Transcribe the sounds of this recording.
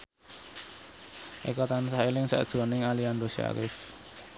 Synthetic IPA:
ʔikɔt̪ansahelɪŋsɛ̰ʔd̥ʒ̥ɔ̤nɪŋaliand̪osia̰ɾɪf

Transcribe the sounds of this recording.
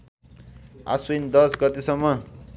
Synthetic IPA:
a̰swind̪ʌsɡʌt̪esʌmːʌ

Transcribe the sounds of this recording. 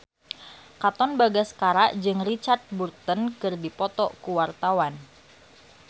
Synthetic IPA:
kat̪ɔnbaɡaskaɾaʔd͡ʒɨŋrit͡ʃart̪̚burt̪ənkɨrdipɔt̪ɔkuwart̪awan

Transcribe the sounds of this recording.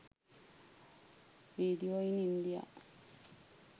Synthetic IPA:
ɾiːd̪ijoːinind̪ija̰

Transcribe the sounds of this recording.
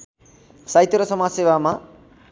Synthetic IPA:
sajt̪eɾʌsʌmasebama

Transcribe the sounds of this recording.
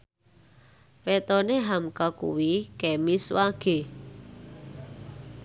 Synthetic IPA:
wet̪ɔneɦamkakṵwikemiswaɡ̥e̤

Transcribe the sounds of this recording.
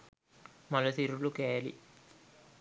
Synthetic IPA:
mɐlɐt̪iɾuɭukeːlḭ

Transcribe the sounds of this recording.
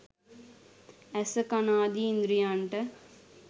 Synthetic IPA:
ɛsɐkɐnaːd̪iːnd̪ɾijaːɳʈɐ

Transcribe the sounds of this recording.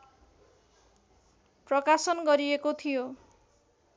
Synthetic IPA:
prʌkasʌnɡʌɾiekot̪ʰijo

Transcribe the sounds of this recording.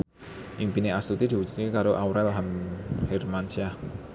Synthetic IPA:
ʔiŋpineast̪ut̪id̪iwud͡ʒu̥t̪̚kekaɾoʔawɾɛlɦamhermansiah

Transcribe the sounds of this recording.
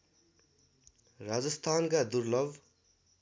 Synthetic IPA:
rad͡zʌst̪ʰankad̪urlʌb

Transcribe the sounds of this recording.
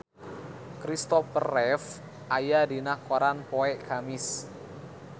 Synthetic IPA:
kɾist̪ɔfərɛf | ʔajadinahkoɾanpoɛʔkamɪs

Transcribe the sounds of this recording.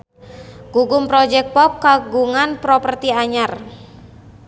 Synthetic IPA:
ɡ̥uɡumpɾɔd͡ʒɛk̚pɔp̚kaɡuŋanpɾɔpərt̪iaɲar

